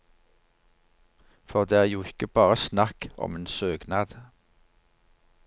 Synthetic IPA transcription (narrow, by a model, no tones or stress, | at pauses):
fɔʁd̪eːæːʁjuːɪkəbɑːʁəsnɑkʔɔ̰meːnsøːɡnɑːd̪̥